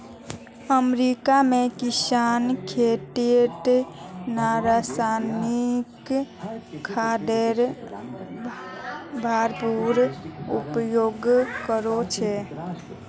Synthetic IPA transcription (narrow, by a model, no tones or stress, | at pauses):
əmɾikamekisankʰeʈ̪iʈ̪naɾasanikʰː | ad̪eɾ | bʱaɾpuɾupjoɡkəɾot͡ʃʰɛ